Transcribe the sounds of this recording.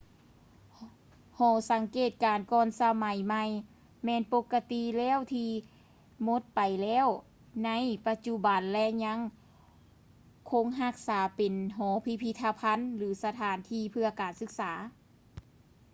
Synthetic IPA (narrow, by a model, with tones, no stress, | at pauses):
hɔː˧˩sa˨˦ŋkeː˨˩t̪̚kaː˨˩nkɔː˧nsa˧ma˨˩˦jma˧j | mɛː˧˨npo˧˥kːa˧t̪i˧˨lɛː˧˥˨wt̪ʰiː˧ | mo˧˦t̪̚pa˨jlɛː˧˥˨w | na˧˥˨jpa˧t̪̚t͡ɕu˧ba˨nlɛ˧˥ɲa˧˥ŋ | kʰo˧˥˨ŋɦa˧˥k̚saː˨˩˦pe˨nɦɔː˨˩˦pʰi˧˥pʰi˧t̪ʰːa˧pʰa˧˥nlɯː˨˦sa˧t̪ʰaː˨˦nt̪ʰiː˧˨pʰɯ˧ɐkaː˨nsɯ˧˥k̚saː˨˩˦